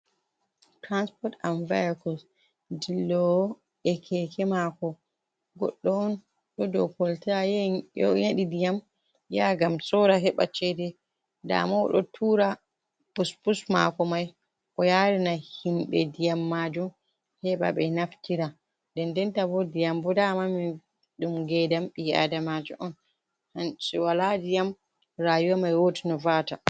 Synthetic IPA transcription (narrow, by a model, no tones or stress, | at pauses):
tɾanspɔtanvajakɔls | dilːɔ | ɛkʰɛkʰɛmakɔ | ɡɔ̰ɗːɔɔn | ɗɔdɔ̰kɔltajɛɔ̰jaɗidijam | jaɡamsɔɾaɦɛɓa̰t͡ʃɛdɛ | da̰maw̰ɗɔtʰuɾa | puspusma̰kɔmaj | ʔɔjaɾinahinɗɛdijamːad͡ʒum | hɛɓa̰ɓɛnaftiɾa | dɛndɛntabɔdijambɔdamamin | ɗumɡɛdamɓia̰damad͡ʒɔʔɔn | hansiwaladijam | ɾajuwamajwotinɔvaːta